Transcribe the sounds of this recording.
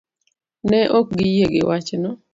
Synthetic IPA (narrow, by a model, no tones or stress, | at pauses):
nɛʔok̚ɡɪjeɡɪ̰wat͡ʃnɔ